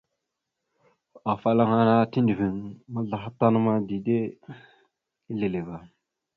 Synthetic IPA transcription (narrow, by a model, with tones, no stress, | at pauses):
a˨fa˦la˦ŋa˦na˦ti˦ndi˨vi˨ŋma˦ɮa˨xa˦ta˦nə˦ma˦di˨de˦ | i˦ɮe˨le˨ba˨